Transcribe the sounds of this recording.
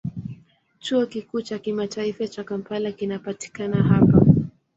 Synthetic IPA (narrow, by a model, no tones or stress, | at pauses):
t͡ʃuɔkikuːt͡ʃakimataifat͡ʃakam̩palakinapati̥kanaɦapa